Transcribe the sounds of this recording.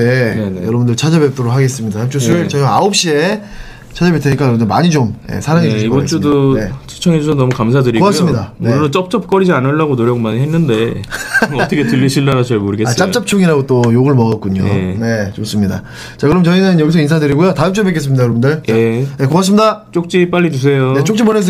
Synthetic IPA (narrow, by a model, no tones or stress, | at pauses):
e̞nejʌɾʌbundɯɭt͡ɕʰad͡ʑʌbep̚t͈ʰoɾok̚haɡes̬͈ɯmɲidataɯmt͡ɕ͈ʰot͡ɕʌɡaaop̚ɕ͈ie | t͡ɕʰad͡ʑʌbet͈ʰeɲik͈ajʌbɯndɯma̰ɲit͡ɕomje̞̰sʰaɾaŋed͡ʑuɕiɡʌnt͡ɕ͈udonet͡ɕʰu̥t͡ɕʰʌŋed͡ʑusʰʌnʌmukamsʰadɯɾiɡoasɯmɲidaeonɯnɯt͡ɕ͈ʌp̚t͡ɕ͈ʌp̚k͈ʌɾid͡ʑianɯɭːaɡonoɾjʌɡomaniɦenːɯnde̞ | ʌtʰʌkʰetɯʎːiɕʰindaɾat͡ɕaɭmoɾɯɡesat͡ɕ͈apt͡ɕ͈ap̚t͡ɕʰoŋiɾaɡot͈ojoɡɯɭmʌɡʌk̚k͈uɲo̰ne̞t͡ɕos͈ɯmɲida̰ | t͡ɕakɯɾʌmt͡ɕʌinɯnjʌɡis̬ʰʌins̬ʰadɯɾiɡujotaɯmt͡ɕ͈ʰobek͈es̬͈ɯmɲidakɯɾʌbundet͡ɕaeje̞koas̬ɯmɲidat͡ɕ͈ok̚t͡ɕ͈ip͈aʎːid͡ʑus̬ʰe̞jojet͡ɕ͈okt͡ɕipmones̬